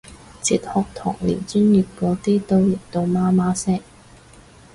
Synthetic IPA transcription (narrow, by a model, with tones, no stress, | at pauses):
t͡siː˨t̪̚hɔː˨k̚t̪ʰɔ̰ː˨˩ŋlḭː˨˩nt͡ʃyː˥nji˨p̚kɔː˨˥t̪iː˥t̪o˥wji˨˩p̚t̪o˧wmaː˥maː˥sɛː˥